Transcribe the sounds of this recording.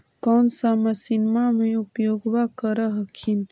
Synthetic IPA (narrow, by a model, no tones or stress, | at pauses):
kɔːnsaməsinmamẽʊpjoːɡwakəɾəɦkʰin